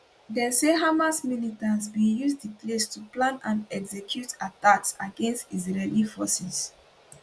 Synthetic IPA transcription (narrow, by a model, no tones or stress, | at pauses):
dɛ̃seɦamasmilitãnsbijusdiplestuplãnãnɛɡzɛkʰjutatatsaɡẽnstizɹɛlifɔsɛs